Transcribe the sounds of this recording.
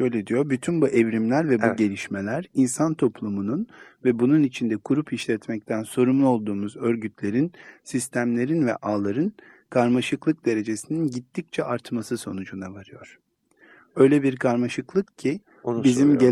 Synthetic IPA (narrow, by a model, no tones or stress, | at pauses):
ʃø̞jlʲed̪ijo̞ɾbyt̪ʰynbuʔɛvɾimlʲæɾvɛbuɟe̞lʲiʃme̞lʲæɾinsant̪ʰo̞pʰlˠumununvɛbununit͡ʃʰind̪ɛkʰuɾupʰiʃlʲɛt̪mɛc̚t̪ʰænso̞ɾumlˠuo̞lˠd̪uːmuzø̞ɾɟyt̪ʰlʲe̞ɾinsist̪ʰæmlʲe̞ɾinvɛ̰ʔaːlˠaɾɯn | kʰaɾmaʃɯklˠɯk̚d̪e̞ɾe̞d͡ʒe̞sininɟit̪ʰːic̚t͡ʃʰɛʔaɾt̪masɯso̞nud͡ʒunavaɾɯjoɾ̥ | ø̞jlʲebiɾkʰaɾmaʃɯklˠɯkcʰi | bizimɟe